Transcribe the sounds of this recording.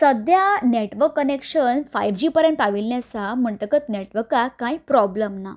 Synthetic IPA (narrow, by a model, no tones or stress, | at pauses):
səd̪ʱjaneʈʋəkːənekɕənfajʋd͡ʑiːpəɾẽɳʈaʋilnjasam̤əɳʈəkət̪neʈʋəkːakajpɾɔbləmna